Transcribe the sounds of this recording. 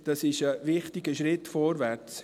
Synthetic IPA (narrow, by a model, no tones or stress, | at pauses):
d̥ɑsɪʃəvɪχtɪɡəʃɾɪtfɔːɾvært͡s